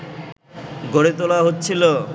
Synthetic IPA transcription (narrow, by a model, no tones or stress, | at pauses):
ɡoɽet̪olaɦotːɕʰilo